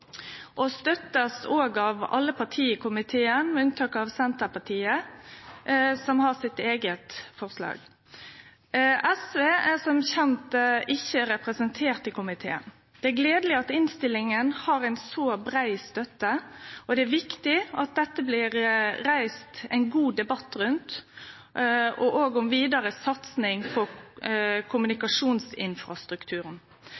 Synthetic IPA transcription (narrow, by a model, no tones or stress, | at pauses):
ʔɔst̪œt̪ːəsoːɡɑʋɑ̰lːəpʰɑʁʈʰiːəkʰʊmɪt̪ʰeːənmɛʉnt̪ʰɑːkɑʋsɛnt̪əpɑʈʰiːə | sɔmhɑːsɪt̪eːɡət̪fɔʁslɑ̰ːɡ | ʔɛsʋeːæsɔmçɛnt̪ɪçəɾɛpɾəsənt̪ʰeːɾt̪ɪkʊmɪt̪ʰḛːə̰n | d̪ɛæɾɡleːd̪əlɪɑt̪ɪnst̪ɪlːɪŋənhɑɾæɪnsoːbɾæɪst̪œt̪ːəɔd̪ɛæɾʋɪkt̪ɪɑt̪̚d̪ɛt̪ːəbliːɾɾæɪst̪æɪnɡuːd̪ɛbɑt̪ːɾʉnt̪ | ɔʔoːɡɔmʋiːd̪ɑɾəsɑt̪snɪŋpʰɔ | kʰʊmʉnɪkɑʂuːnsɪnfɾɑst̪ɾʉkt̪ʰʉːɾən